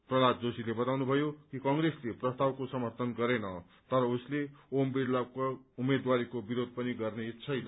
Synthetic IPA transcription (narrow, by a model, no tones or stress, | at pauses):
prʌlad͡zosilebʌt̪awnubʱʌjokikʌŋɡresleprʌst̪awkosʌmʌrt̪ʌnɡʌɾenʌ | t̪ʌɾʌusleombeakumed̪waɾikobiɾod̪̚ʱpʌniɡʌrnet͡sʰʌjnʌ